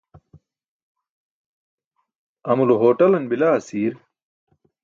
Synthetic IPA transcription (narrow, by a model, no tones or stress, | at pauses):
ɐmuluɦoːʈɐlɐnbilaːɐsiːɾ